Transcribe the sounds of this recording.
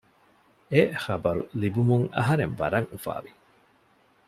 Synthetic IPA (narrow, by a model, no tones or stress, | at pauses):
exɐbɐɾṵlibumuŋɐ̰ɦɐɾeɱʋɐ̰ɾɐŋufa̰ːʋi